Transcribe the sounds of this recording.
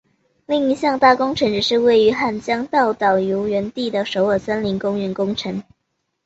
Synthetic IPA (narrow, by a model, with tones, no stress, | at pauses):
li˥˩ŋi˧˥ɕjɑ˥˧ŋt̪a˥˩kʊ˥ŋʈ͡ʂʰɤ˧˥ŋʈ͡ʂɻ̩˨˩ʂɻ̩˥˧we˥˩ɪy˧˥xa˥˩nt͡ɕjɑ˥ŋt̪ɑ˥˩ʊt̪ɑ˨˩ʊju˧˥ʊɥɛ˧˥nt̪i˥˩d̪ə˩ʂo˧˥ʊə˨˩sə˥nli˧˥ŋkʊ˥ŋɥɛ˧˥nkʊ˥ŋʈ͡ʂʰɤ˧˥˦ŋ